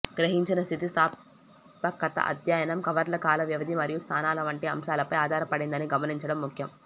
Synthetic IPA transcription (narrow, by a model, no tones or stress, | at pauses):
ɡɾɐɦiɲt͡ʃinɐst̪ʰit̪ist̪ʰaː | pɐkɐt̪ɐ̰ʔɐ̰d̪ʱjaːjɐnɐmkɐʋɐɾlɐkaːlɐʋjiʋɐd̪ʱimɐɾijust̪ʰaːnaːlɐʋɐɳʈiɐmʃaːlɐpɐjaːd̪ʱaːɾɐpɐɽind̪ɐniɡɐmɐniɲt͡ʃɐɽɐmːukʰjɐm